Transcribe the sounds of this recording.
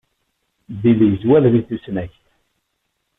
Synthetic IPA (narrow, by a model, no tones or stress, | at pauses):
ðilijzwæððiθusnæçθ